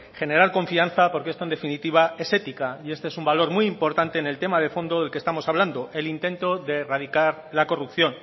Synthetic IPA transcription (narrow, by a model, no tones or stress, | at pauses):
χe̞ne̞ɾaɾko̞ɱfian̟θapo̞ɾkeest̪ond̪efinit̪iβ̞ae̞se̞t̪ikaie̞st̪eesumbalo̞ɾmujimpo̞ɾt̪ant̪e̞ːne̞lt̪e̞maðe̞fo̞nd̪o̞ðe̞lke̞st̪amo̞saβland̪o̞ʔe̞lint̪ẽ̞nt̪o̞ðe̞rað̞ikaɾlako̞rupθjo̞n